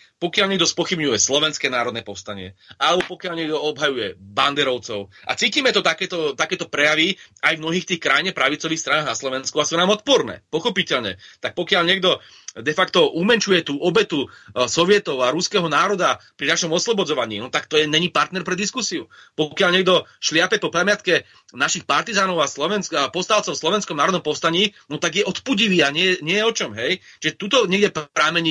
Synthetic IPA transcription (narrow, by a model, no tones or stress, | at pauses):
pɔkɪalɲɛɡ̚d̪ɔspɔxibɲujɛslɔʋɛnskɛːnaːɾɔd̪nɛːpɔfst̪aɲɪɛalɛbɔpɔkɪalɲɪɛɡd̪ɔɔbɦajujɛband̪ɛɾɔʊt͡sɔʊʔa̰t͡siːciːmɛt̪ɔt̪akɛːt̪ɔt̪akɛːt̪ɔpɾɛjaʋiajvmnɔɦiːxt̪iːxkɾajiɲɛpɾaʋit͡sɔʋiːxst̪ɾanaːɣnaslɔʋɛnskuasunaːmɔt̪̚pɔɾnɛ̰ːpɔxɔpicɛʎɲɛ̰t̪ak̚pɔkɪaʎɲɪɛɡd̪ɔ | d̪ɛfakt̪ɔʔumɛnt͡ʃujɛt̪uːʔɔbɛt̪usɔʋɪɛt̪ɔʊaɾuskɛɦɔnaːɾɔd̪apɾinaʃɔmɔslɔbɔd͡zɔʋaɲḭːnɔt̪akt̪ɔjɛɲɛɲipaɾt̪nɛɾpɾɛd̪iskusiupɔkɪalɲɛɡd̪ɔʃlɪapɛpɔpɾɛmɪat̪kɛ | naʃixpaɾt̪izaːnɔʊaslɔʋɛnskapɔfst̪aːʊt͡sɔʊslɔʋɛnskɔmnaːɾɔd̪nɔmpɔfst̪aɲiːnɔt̪aɡjɛʔɔt̪puɟiʋiːaɲɪɛɛɲɪɛjɛɔt͡ʃɔmɦɛjt͡ʃiʒɛt̪uːt̪ɔɲɪɛɡɟɛpɾaːmɛɲi